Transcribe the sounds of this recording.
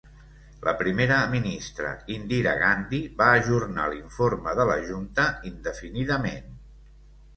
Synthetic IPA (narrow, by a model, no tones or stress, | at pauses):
lʔə̰pɾimeɾəminist̪ɾə̰ind̪iɾə̰ɣand̪iβaːʒurna̰liɱfoɾməðələʒunt̪əind̪əfiniðəmen